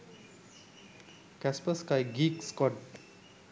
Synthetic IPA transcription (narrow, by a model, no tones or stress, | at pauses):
kɛspəskajɡiːkskɔʈ̚